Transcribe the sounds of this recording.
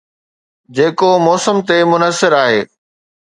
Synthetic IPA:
d͡ʑeːkomɔːsəmt̪emʊnəsɪɾaːɦeː

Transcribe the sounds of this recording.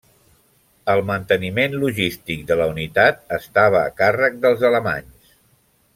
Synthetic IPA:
əlˠmənt̪ənimenluʒist̪ik̚d̪ələunit̪at̪̚əst̪aβ̞ə̰ːkarək̚d̪əlˠzələma̰ɲs

